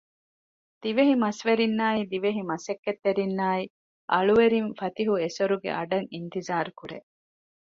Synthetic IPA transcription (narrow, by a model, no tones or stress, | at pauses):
d̪̥iʋeɦimɐsʋeɾinːaːid̪iʋeɦimɐsekːet̪ːeɾinːaːi | ʔɐɭuʋeɾinfɐt̪iɦuesoɾuɡḛʔɐɖɐŋint̪izaːɾkuɾḛʔ